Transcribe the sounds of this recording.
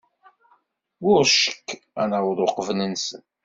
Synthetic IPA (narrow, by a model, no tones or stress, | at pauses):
ʊɾʃə̥kː | ænəwðˤʊqəvnənsən